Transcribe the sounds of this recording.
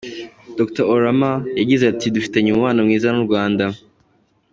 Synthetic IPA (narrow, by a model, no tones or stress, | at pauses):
d̥oktooɾamajaɟizeatidufi̥te̞ɲumuwaːnamŋiːzanuɾɡwaːnda